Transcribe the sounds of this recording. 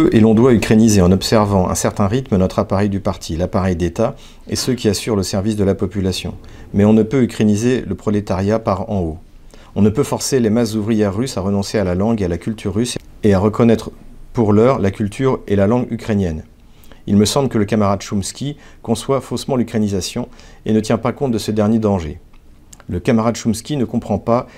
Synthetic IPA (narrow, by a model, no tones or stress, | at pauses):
øʔelɔ̃d̪waykχenizeɑ̃nɔpsɛʁvɑ̃ɛ̰̃sɛʁt̪ɛ̃ʁit̪mənɔt̪χapaʁɛjd̪ypaʁt̪ʰilapaʁɛjd̪et̪a | ḛsøkʲiasyʁləsɛʁvisd̪əlapɔpylasjɔ̰̃mɛɔ̃nəpøykχenizeləpχɔlet̪aʁjapaʁɑ̃o | ɔ̃nəpøfɔʁselemaszuvʁijɛʁːysaʁənɔ̃sealalɑ̃ɡealakʲylt̪ʰyʁːyseaʁəkɔnɛt̪χpuʁlœʁlakʲylt̪ʰyʁelalɑ̃ɡykχenjɛn | ḭlməsɑ̃bləkələkamaʁad̪ʃumskʲikɔ̃swafosmɑ̃lykχenizasjɔ̃enət̪jɛ̃pakɔ̃t̪̚d̪əsəd̪ɛʁnjed̪ɑ̃ʒe | ləkamaʁad̪ʃumskʲinəkɔ̃pχɑ̃pa